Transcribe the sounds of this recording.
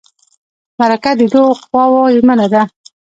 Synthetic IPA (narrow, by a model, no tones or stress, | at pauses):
maɾakad̪əd̪oxwɑwojmanad̪a